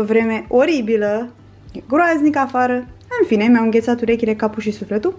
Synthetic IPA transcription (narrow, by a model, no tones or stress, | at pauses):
əvɾe̞me̞ʔo̞ɾibilə | ɡɾoaznikafaɾəɨnfine̞miamɨŋɡʲe̞t̪sat̪uɾe̞kʲile̞kapuʃisufle̞t̪u